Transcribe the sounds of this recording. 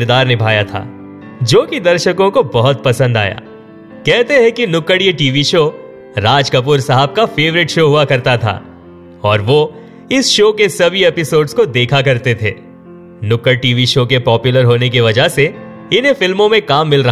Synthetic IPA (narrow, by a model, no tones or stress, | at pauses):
ɾd̪aːɾnɪbʱaːjat̪ʰa̰ː | d͡ʒoːkid̪ɐɾʃəkõkobɐɦʊt̪̚pɐsə̃nd̪a̰ːja̰ː | kɛɦt̪eɦɛ̃kinʊkəɽjeʈiːʋiʃoː | ɾaːd͡ʒkɐp̬ʊɾsɐɦəb̚kafeːʋɾɪʈʃoːɦuakɐɾt̪at̪ʰa̰ː | ɔːɾʋo | ɪsʃoːkesɐbʱieːpɪsoːɖskod̪eːkʰak̬ɐɾt̪et̪ʰeː | nʊkəɽʈiːʋiʃoːkepɔːpjʊləɾɦoːnek̬iʋɐd͡ʒəɦse | ɪnɦẽfɪlmõmẽkaːmːɪlɾɐɦ